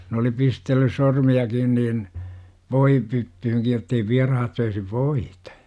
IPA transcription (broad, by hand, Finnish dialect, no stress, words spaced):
n oli pistelːys sormiɑkin niːn ʋoipytːyhyŋkij jotːei ʋiɑrɑhɑt søisi ʋoitɑ̥